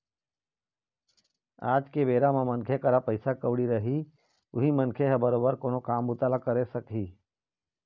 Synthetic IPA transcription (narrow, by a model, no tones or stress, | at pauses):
a̰ːd͡ʒkebeːɾamãmənkʰekəɾapəɪsakəʊɽiɾəɦi | ʊɦimənkʰeɦɛbəɾoːbəɾkoːnokaːmbʊt̪aːlakəɾesəkɦiː